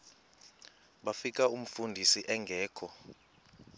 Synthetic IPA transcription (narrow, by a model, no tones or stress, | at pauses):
ɓafik̬ʼaum̩fundʱisiʔɛŋɡʱɛːkʰɔ